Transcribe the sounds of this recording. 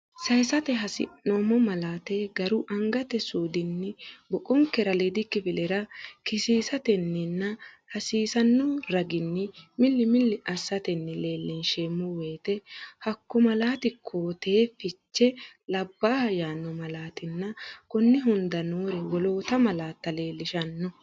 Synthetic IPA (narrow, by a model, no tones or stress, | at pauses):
sɐjsɐt̪ɛɦɐsɪ̰nːomɔmɐlaːt̪eːɡɐɾʊʔɐŋɡɐt̪ɛsuːd̪ɪnːɪbɔkʼɔŋkːɛɾɐled̪ɪkːɪbɪlɛɾɐkɪsiːsɐt̪ɛnːɪnːɐ | hɐsiːsɐnːɔɾɐɡɪnːɪmɪlːɪmɪlːɪʔɐsːɐt̪ɛnːɪle̞ːlːɪnʃeːmːʊwe̞ːt̪ɛhɐkːɔmɐlaːt̪ɪkʰoːt̪eːfɪt͡ʃːɛlɐbːaːhɐjaːnːɔmɐlaːt̪ɪnːɐkɔnːɪɦʊnd̪ɐnoːɾɛwɔloːt̪ɐmɐlaːt̪ːɐle̞ːlːɪʃɐnːɔ